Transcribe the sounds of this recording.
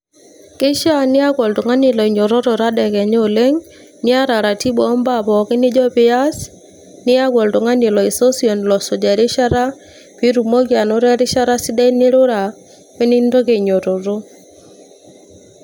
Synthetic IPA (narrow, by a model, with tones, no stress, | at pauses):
kɪ˦ʃa˦nɪ˦a˦ɡɔ˨ldo˨ŋa˦nɪ˨lɔ˨i˨ɲo˨ɾo˦ɾo˨ɾa˦dɛ˨kɛ˨ɲ˦o˨le˦ŋ | nɪ˦a˦ɾa˨ɾa˨ti˦bɔ˨ɔ˦mba˦˨bɔ˨kɪ˦nɪ˦d͡ʒɔ˦pɪ˦a˦s | nɪ˦a˦ɡɔ˨ldo˨ŋa˦nɪ˨lɔ˨i˨so˦si˨o˨nlɔ˨so˨d͡ʒa˨ɾɪ˦ʃa˦ɾa˦ | pi˦ɾu˨mo˦ɡja˨nɔ˦ɾa˦ɾɪ˦ʃa˦ɾa˦sɪ˦dɛ˦nɪ˦ɾʊ˦ɾa˨ | pe˦ni˦ndo˦ɡe˨ɲo˨ɾo˨ɾo˦